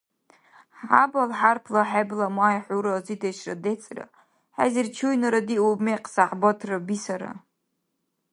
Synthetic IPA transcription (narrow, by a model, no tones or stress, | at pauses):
ħa̰balħarpʰlaħablamajħʷuɾazidʰejʃra̰det͡sʼra̰ | ħa̰zirt͡ʃʰujnaɾadiubmeqʼsaħbotʰrabisaɾa̰